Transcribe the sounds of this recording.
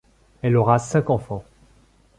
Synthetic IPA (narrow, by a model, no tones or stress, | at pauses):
ɛlɔʁasɛ̃kɑ̃fɑ̃